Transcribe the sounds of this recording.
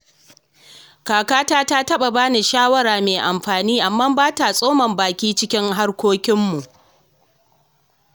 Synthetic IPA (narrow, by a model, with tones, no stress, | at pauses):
kaː˨kaː˦taː˦taː˦tɐ˦ɓa˨baː˦ne˨ʃaː˦wɐ˦ɾaː˨meː˨ʔa˨mɸaː˨niː˦ʔa˨mːa˦mbaː˦ta˨sʼoː˦mɐ˨mbaː˨kʲiː˦t͡ʃɪ˦kʲɪ˦ŋɦa˦rkʷoː˦kʲɪ˦mːu˨ʔ